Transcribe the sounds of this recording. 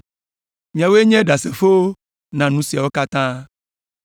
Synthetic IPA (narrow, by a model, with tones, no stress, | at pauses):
ɲ˨ã˨wo˦e˦ɲɛ̃˦ɖa˨se˨fo˦wo˦ | nã˨nũ˦si˨a˨wo˦ka˦t̪ã˦